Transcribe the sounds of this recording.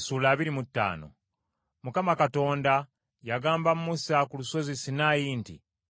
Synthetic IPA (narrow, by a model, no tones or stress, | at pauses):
suːlaːβiɾimutːa̰ːno̞̰ | mukamakato̞ːnda | jaɡaːmbammusakuluso̞zisinaːjiːntḭ